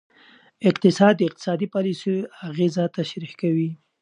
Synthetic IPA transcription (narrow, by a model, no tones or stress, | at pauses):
ɪqt̪ɪsɑd̪ːəɪq̚t̪ɪ̥sɑd̪ipɑlisejaɣezat̪aʃɾixkawi